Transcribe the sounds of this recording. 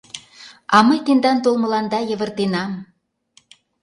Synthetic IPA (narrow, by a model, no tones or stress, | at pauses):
ɑmɤjt̪end̪ɑnt̪olmɤ̆lɑnd̪ɑjə̆βə̆rt̪enɑm